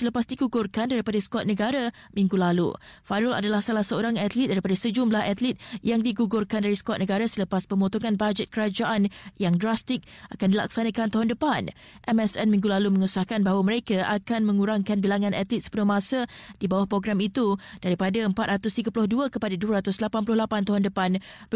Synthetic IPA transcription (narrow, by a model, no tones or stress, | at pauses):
sələpasdiɡuɡʊrkandaɾipadaskɔt̪̚nəɡaɾa | mĩŋɡulalṵfaɾula̰dalahsalahsəoɾaŋat̪lit̪̚daɾipadasəd͡ʒumlahat̪lit̪̚jaŋdiɡuɡʊrkandaɾiskɔt̪̚nəɡaɾasələpaspəmbot̪ɔŋanbad͡ʒɛt̪̚kəɾad͡ʒaʔanjaŋdɾast̪ɪk̚akandila̰k̚sanãkant̪aɦʊndəpan | ʔɛmɛsɛnmĩŋɡulalumə̃ŋusahkanbaɦawaməɾekaʔakanmə̃ŋuɾaŋkanbilaŋãnʔat̪lit̪̚sə̥punʊhmãsəd̥ibawahpɾoɡɾamit̪ud̥aɾipadaəmpat̪̚ɾʔat̪ʊst̪iɡapulʊhduəkəpadaduəɾat̪ʊslapanpulʊhlapant̪aɦʊndəpanb